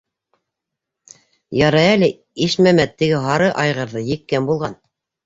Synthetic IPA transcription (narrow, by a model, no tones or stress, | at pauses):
jɑɾɑælɘ | iʃmæmæt̪ːɘ̆ɡɘɦɑɾɤʔɑjʁɤ̆ɾðɤjɘ̆kːæmbulˠʁɑn